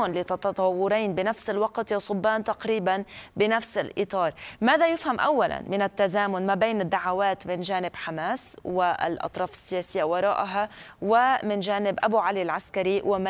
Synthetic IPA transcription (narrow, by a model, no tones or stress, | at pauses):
nlit̪ɑt̪ɑt̪ˤɑwːʊɾiːnbɪnafsɪlwɑqt̪jaːsˤʊbːaːnt̪aqɾiːbanbɪnafsɪlʔɨ̰t̪ˤɑːɾˤmaːðajɪfhamʔawːala̰nmɪnat̪ːazaːmʊnmabeːnɪd̪ːaʕawaːt̪mɪnʒaːnɪbħamaːswɪ̰lʔɑ̰t̪ˤɾˤɑːfɪ̥sːɪjaːsɪjːawɑɾˤɑːʔaɦa | wɪmɪnʒaːnɪbʔabuʕalilʕaskaɾiwɪ